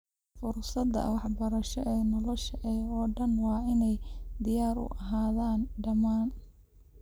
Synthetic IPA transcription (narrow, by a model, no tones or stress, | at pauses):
fʊrsɐd̪ɐ̰wɑħbɐɾɐʃɔʔɛːnɔlɔʃɐʔɛːɔːɖɐnwɑːɪnɛjd̪ɪjaːɾʊ̰ʔɐɦaːðaːnɖɐmaːn